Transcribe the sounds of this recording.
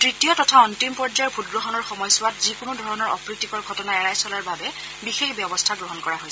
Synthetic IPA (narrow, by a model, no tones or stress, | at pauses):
tɹitijɔtɔtʰaɔntimpɔɹd͡ʒajɔɹpʰutɡɹɔxɔnɔɹxɔmɔjsʊwatzikʊnʊdʱɔɹɔnɔɹɔpɹik̚tikɔɹɡʱɔtɔnaɛɹajsɔlaɹbabɛ | bixexbjɔbɔstʰaɡɹɔɦɔnkɔɹaɦojs